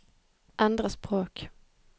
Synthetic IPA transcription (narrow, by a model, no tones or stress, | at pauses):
ʔɛnd̪ʁəspʁoːk